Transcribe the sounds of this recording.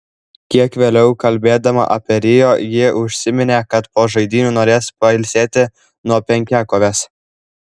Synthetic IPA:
kʲiɛkʋʲeːlʲɛʊkɐlʲbʲeːd̪ɐmɐ̰ʔɐpʲɛɾʲɪjoːjɪʔʊʃʲsʲɪmʲɪnʲeːkɐt̪poːʒɐɪd̪ʲiːnʲuːnoːɾʲeːspɐɪlʲsʲeːt̪ʲɪ | nuɔpʲɛŋʲkʲæːkoːʋʲeːs

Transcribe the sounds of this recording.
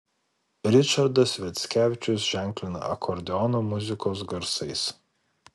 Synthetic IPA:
ɾʲɪt͡ʃɐɾd̪ɐsʋʲɛt̪ʲsʲkʲæːʋʲɪt͡ʃʲʊsʒ̥ʲæˑŋʲklʲɪnɐ̰ɐkʰɔɾʲd̪ʲɛɔnoːmʊzʲɪkoːs̬ɡɐɾsɐɪs

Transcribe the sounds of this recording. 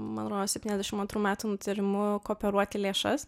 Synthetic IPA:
mɐnɐt̪ɾoːd̪oːsʲɛpʲtʲinɛzd̪ʲɛʃʲɪmɐnt̪ɾuːmʲæːt̪uːnʊt̪ʲɪɾʲɪmʊkoːpʲɛɾuɔt̪ʲɪlʲeːʃɐs

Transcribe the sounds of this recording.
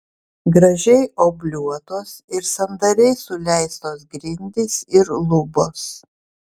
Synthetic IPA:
ɡɾɐʒʲɛɪoːbʲlʲuɔt̪oːsɪɾsɐnd̪ɐɾʲɛɪsʊlʲɛɪst̪oːsɡɾʲɪnʲd̪ʲɪsɪɾlˠʊboːs

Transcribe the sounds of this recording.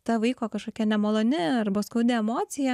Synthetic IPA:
t̪ɐʋɐɪkoːkɐʃkoːkʲɛnʲɛmoːlˠoːnʲɪɐrbɐskʊːd̪ʲɛɛmoːsʲɪjɛ

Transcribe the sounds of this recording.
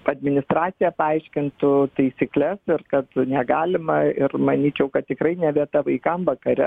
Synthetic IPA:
ɐd̪ʲmʲɪnʲɪst̪ɾɑːt̪t͡ssʲɪjɛpɐɐɪʃʲkʲɪnt̪ʊt̪ɐɪsʲiklʲɛsɪrkɐt̪nʲɛɡɑːlʲɪmɐɪrmɐnʲiːt͡ʃʲɛʊkɐt̪̚t̪ʲɪkɾɐɪnʲɛʋʲiɛt̪ɐʋɐɪkɐmʋɐkɐɾʲɛ

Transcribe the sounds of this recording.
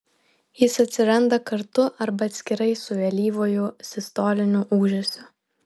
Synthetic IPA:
jɪsɐt̪ʲsʲɪɾɐnd̪ɐkɐɾt̪ʊʔɐɾbɐːt̪ʲsʲkʲɪɾɐɪsʊʋʲɛlʲiːʋoːjʊsʲɪst̪oːlʲɪnʲʊʔuːʒʲɛsʲʊ

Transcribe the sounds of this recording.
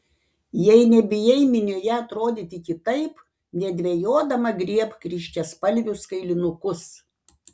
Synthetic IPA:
jɛɪnʲɛbʲɪjɛɪmʲɪnʲoːjɛɐt̪ɾoːd̪ʲɪt̪ʲɪkʲɪt̪ɐɪp | nʲɛd̪ʲʋʲejoːd̪ɐmɐɡɾʲiɛpkɾʲiːʃʲt̪ʲɛspɐlʲʋʲʊskɐɪlʲɪnʊkʊs

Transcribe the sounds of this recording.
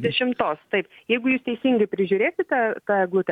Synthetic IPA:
d̪ʲɛʃʲɪmt̪oːst̪ɐɪpjɛɪɡʊjuːst̪ʲɛɪsʲiŋɡɐɪpʲɾʲɪʒʲʊːɾʲeːsʲɪt̪ɑt̪ɑɡlˠʊt̪ʲɛ

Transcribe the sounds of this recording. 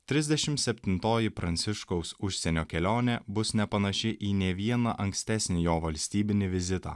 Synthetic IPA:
t̪ʲɾʲɪzʲd̪ʲɛʃʲɪmt̪sʲɛpʲt̪ʲɪnt̪oːjɪpɾɐnʲt̪sʲɪʃkɔʊsʊʃʲsʲɛnʲoːkʲɛlʲoːnʲɛbʊsnʲɛpɐnɐʃʲɪʔiːnʲeːʋʲiɛnɐʔɐŋksʲt̪ʲæsʲnʲɪjoːʋɐlʲsʲt̪ʲiːbʲɪnʲɪʋʲɪzʲɪt̪ɑ̰ː

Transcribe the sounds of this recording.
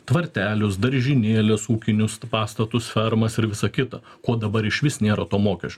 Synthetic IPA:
t̪ʋɐɾʲt̪ʲæːlʲʊsd̪ɐɾʲʒʲɪnʲeːlʲɛsuːkʲɪnʲʊspɑːst̪ɐt̪ʊsfʲɛɾmɐsɪɾʋʲɪsɐkʲɪt̪ɐ̰ | koːd̪ɐbɐɾɪʃʲʋʲɪsnʲeːɾɐt̪oːmoːkʲɛʃʲt͡ʃʲ

